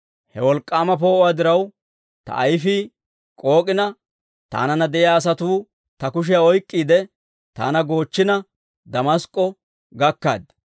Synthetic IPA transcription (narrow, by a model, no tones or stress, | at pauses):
hɛwɔlkʼːaːmɐp̬o̞ːaːd̪ɪɾɐw | t̪ɐ̰ʔɐjfiː | kʼo̞ːkʼɪnɐ | t̪a̰ːnɐnɐd̪ɛɪaːs̬ɐt̪uː | t̪ɐkʊʃ̬ɪjaɔjkʼːiːd̪ɛ | t̪a̰ːnɐɡo̞ːt͡ʃːɪnɐ | d̪ɐmɐskʼːɔ | ɡɐkːa̰ːd̪